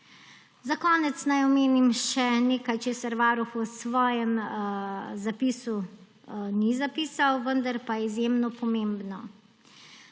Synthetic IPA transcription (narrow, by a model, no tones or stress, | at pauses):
zakɔːnɛt̪snajɔmeːnimʃɛneːkajt͡ʃeːsaɾʋaːɾuxusʋɔːjɛm | zapiːsu | nizapiːsawʋənd̪aɾpajɛizjemnɔpɔmembnɔ